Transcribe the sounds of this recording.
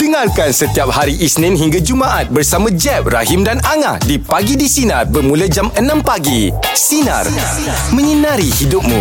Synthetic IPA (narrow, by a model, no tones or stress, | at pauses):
d̥əŋarkansət̪iap̚haɾiʔisnɪ̃nɦiŋɡad͡ʒumaʔat̪̚bərsamãd͡ʒɛp̚ra̰ɦɪmdanaŋa̰hdipaɡidisinat̪̚bərmũlad͡ʒamənãmpaɡi | sina̰r | mə̃ɲənaɾihidʊp̚mṵ̃